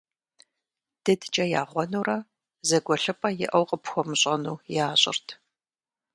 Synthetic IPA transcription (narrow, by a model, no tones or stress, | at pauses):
d̥ɨdt͡ʃʼɐja̰ːʁʷɔnuːrɐ | zɐɡʷʼɔɬɨpʼɐjɪ̰ʔɐwqʼəpxʷɔmɨɕʼɐnuːjaːɕʼɪ̰rtʰ